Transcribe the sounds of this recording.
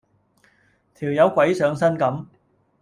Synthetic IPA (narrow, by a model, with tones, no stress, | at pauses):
t̪ʰiː˨˩wjɐ˨˧wkʷɐ˨˥jsœː˨˧ŋsɐ˥nkɐ˨˥m